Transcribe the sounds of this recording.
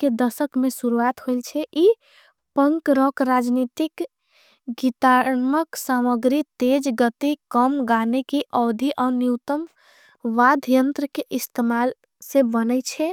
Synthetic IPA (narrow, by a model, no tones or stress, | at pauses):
ked̪əsəkmẽsuɾuat̪ɦoilt͡ʃʰɛʔi | pəŋkɾɔkɾad͡ʒnit̪ik | ɡit̪aɾməksaməɡɾit̪ed͡ʒɡət̪ikəmɡanekiʔɔːd̪ʱiʔɔnjiwt̪əm | ʋad̪ʱjənt̪ɾəkeʔist̪emal | sẽbənɛt͡ʃʰɛ